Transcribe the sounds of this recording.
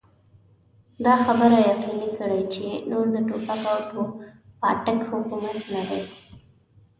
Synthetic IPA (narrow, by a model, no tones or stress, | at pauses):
d̪ɑxabəɾajaqinikəɽajt͡ʃenoɾd̪əʈopakawt̪opɑ̰ʈəkhʊkumat̪nad̪aj